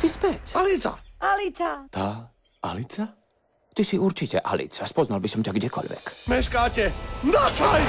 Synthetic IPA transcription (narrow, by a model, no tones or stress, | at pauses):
sispɛcalit͡sa̰alit͡sat̪aː | ʔa̰lit͡sa | t̪isiuɾt͡ʃicɛʔa̰lḭt͡saspɔznalbisɔmcʲaɡɟɛkɔ̰ʎʋɛ̰kmɛʃkaːcɛnat͡ʃaj